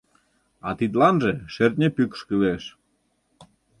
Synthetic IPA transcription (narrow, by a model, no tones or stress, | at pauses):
ɑt̪it̪̬lɑnʒeʃert̪̚ʲnʲepykə̥ʃkəβeʃ